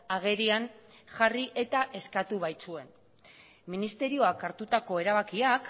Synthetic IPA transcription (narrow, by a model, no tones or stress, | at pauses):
aɣ̞e̞ɾianʝariʔe̞t̪aʔe̞skat̪uβ̞ajt͡sue̞n | minist̪e̞ɾio̞akaɾt̪ut̪ako̞e̞ɾaβakiak